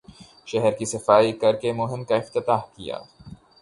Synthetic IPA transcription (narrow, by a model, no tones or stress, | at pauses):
ʃɛɦɛɾkisɐfaːikɐɾkemʊɦɪmkaɪft̪ɪt̪aːɦkija̰ː